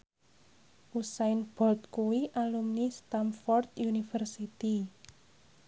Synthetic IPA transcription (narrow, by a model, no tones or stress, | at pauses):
ʔusaɪnb̥ɔlt̪̚kuwiʔalumnist̪amfɔrt̪junifərsit̪i